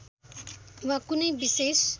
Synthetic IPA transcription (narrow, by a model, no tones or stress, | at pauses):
wakunəjbises